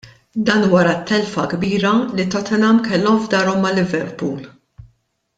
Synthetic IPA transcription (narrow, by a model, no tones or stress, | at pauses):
d̪ɐːnwɐɾɐt̪ʰːɛlfɐɡbiːɾɐlit̪ɔt̪ɛnɐmkɛlːɔmvd̪ɐːɾɔmːɐlɪvɛɾpuːl